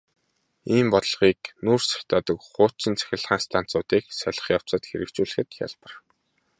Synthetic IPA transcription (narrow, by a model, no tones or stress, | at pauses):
iːmpɔt̪̆ɮʁiːknursḁxʲt̪aːt̪ə̆kχʊːt͡ɕɪ̆nt͡sʰæ̥xʲɪ̆ɮχaːnst̪ʰan̥t͡sʊːt̪iːksœɮə̆χjaw̥t͡sə̆t̪xeɾɘ̆kt͡ɕuːɮɘ̆xɘ̆t̪xʲa̰ɮpə̆r